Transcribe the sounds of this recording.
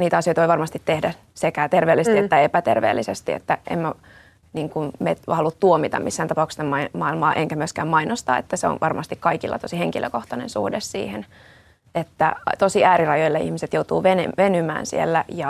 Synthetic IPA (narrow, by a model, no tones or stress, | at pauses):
niːt̪æɑsjojt̪ʋoiʋɑrmɑst̪it̪tehdæ | sekæt̪erʋeːlːisst̪iet̪ːæepæt̪ḛrʋḛːlːisest̪iḛt̪ːæʔḛmmæ | niːŋkunmet̪hɑlut̪uomit̪ɑ̰misːæːnt̪ɑpɑukst̪emɑimɑilmɑːʔeŋkæmyøskæːmmɑinost̪ɑ̰ːḛt̪ːæseo̰nʋʔɑrmɑst̪ikkɑikilːɑ̰t̪osiheŋkilʔø̰koht̪ɑnḛ̃nsṵhdessḭːhen | et̪ːæt̪osiʔæːɾirɑjojlːɑḭhmiset̪jowt̪ṵːʋenḛʋenymæ̰ːnsḭelːæjɑ